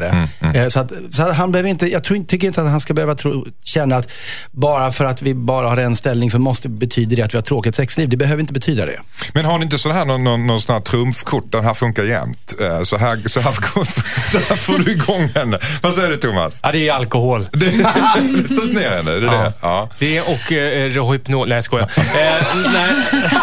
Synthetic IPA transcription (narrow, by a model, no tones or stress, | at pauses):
d̪ɛsɔat̪ | sɔat̪ɦanbɛhøːvɾɪnt̪əjɑːɡt̪ʰɾuːɪt̪ʰʏkːəɾɪnt̪əat̪hanskabɛhøːvat̪ʰɾuː | ɕɛnːaːt̪ | bɑːɾafœɾat̪vɪbɑːɾahaɾɛnst̪ɛlnɪŋsɔmːɔst̪əbɛt̪ʰyːd̪əɖɛat̪vɪhaɾʈ̪ʰɾoːkɪt̪sɛksliːvd̪ɛbɛɦøːəɾɪnt̪əbɛt̪ʰyːd̪ad̪ɛ̰ | mɛnɦaɖɵɪnt̪əsɔd̪ɦæːɳɔnːɔnːɔnsɔnhæːɾt̪ʰɾɵmfkʰʊʈ̚ːd̪ɛnɦæːɾfɵŋkaɾjɛ̰mt̪sɔɦæɾsɔɦækʰɔsɔhæɾfoːɖɵɪɡɔŋːhɛnːəvasɛjːəɾɵt̪ʰʊma̰sd̪ɛalkʊɦoːld̪ɛɛsɛt̪ːneːɾhɛnːəd̪ɛd̪ɛɑːd̪̥ɛʔɔkɾohʏpnoːnɛskoːja | nɛɪ